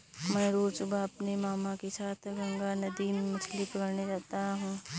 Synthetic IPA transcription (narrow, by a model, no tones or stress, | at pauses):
mɛ̃ːɾoːɾt͡ʃʊbʱaɐpnemaːmakesaːt̪ʰɡɐ̃ŋɡanɐd̪imemʊt͡ʃʰlipɐkəɾned͡ʒaːt̪aɦũː